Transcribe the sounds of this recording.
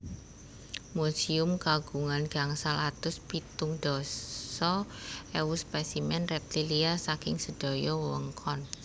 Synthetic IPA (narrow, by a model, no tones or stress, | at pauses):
musiʊmkaɡ̥uŋanɡ̥aŋsalat̪ʊspit̪ʊŋd̪̥ɔsɔɛwuspɛsimɛnrɛp̚t̪iliasakɪŋsəd̪̥ɔ̤jɔwwəŋkʰɔn